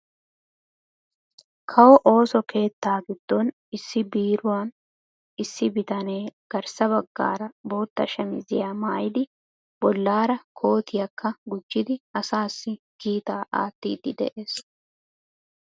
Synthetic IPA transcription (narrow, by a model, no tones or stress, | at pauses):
kʰɐwɔʔo̞ːsɔkʰe̞ːt̪ːaːɡɪd̪ːɔn | ɪsːɪbiːɾʊwaːn | ɪsːɪbɪt̪ɐne̞ːɡ̥ɐɾsɐbɐɡːa̰ːɾɐbo̞ːt̪ːɐʃɐmɪzɪjaːmaːjɪd̪ɪ | bɔlːaːɾɐkʰo̞ːt̪ʰɪjɐkʰːɐɡʊd͡ʒːɪd̪ɪɐsaːsːɪ | ɡ̥iːt̪aːʔa̰ːt̪ːḭːd̪ɪd̪ɛ̰ʔe̞ːs